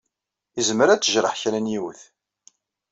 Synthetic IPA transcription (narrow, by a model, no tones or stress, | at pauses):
izməɾæt͡sːəʒɾˤə̰ħçɾænjiwəθ